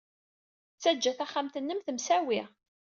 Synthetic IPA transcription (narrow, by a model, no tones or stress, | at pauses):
t͡sːæd͡ʒːæθæχːamt̪ənːəmθəmsæwi